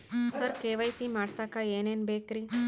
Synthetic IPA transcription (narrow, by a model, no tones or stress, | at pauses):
sɐɾkeːʋɐjsimaːɽsaːkaeːneːnbeːkɾi